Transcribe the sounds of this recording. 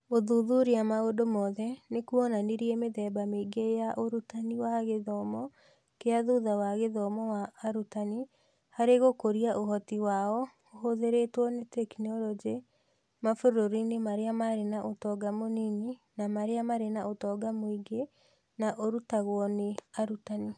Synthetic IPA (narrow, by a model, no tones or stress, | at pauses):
oðuðuɾiamaodomɔðɛnekuɔnaniɾiɛmeðɛːbameɡejaʔoɾutaniwaɣeðɔmɔ | keaðuðawaɣeðɔmɔwaːɾutani | haɾeɣokoɾiaʔoɦɔtiwaɔ | oɦoðeɾetwɔnetɛkinɔlɔd͡ʒe | mafoɾoɾinemaɾeamaɾenaʔotɔɡamonininamaɾeamaɾenaotɔɡamoiɡe | naʔoɾutaɣwɔneaɾutani